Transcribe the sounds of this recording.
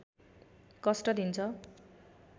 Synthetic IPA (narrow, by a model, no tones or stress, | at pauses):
kʌsʈʌd̪int͡sʰʌ